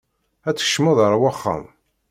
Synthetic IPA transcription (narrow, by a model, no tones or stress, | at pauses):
æt͡sːə̥ʃːməðˤəɾˤwaχːa̰m